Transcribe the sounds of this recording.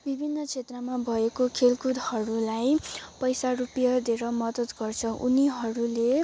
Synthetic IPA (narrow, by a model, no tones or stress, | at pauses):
bibʱinːʌt͡sʰet̪rʌmabʱʌekokʰelkud̪hʌɾulajpʌjsarupjad̪eɾʌmʌd̪ʌt̪ɡʌrt͡sʰʌʔuniɦʌɾule